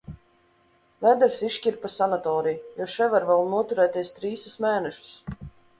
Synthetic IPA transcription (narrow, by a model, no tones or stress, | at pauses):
vɛd̪ɛɾsiʃkʲiɾpasanat̪ɔːɾijjɔʃɛvaɾvɛlˠnuɔt̪uɾɛːt̪ʲɛst̪ɾiːsusmɛːnɛʃu̥s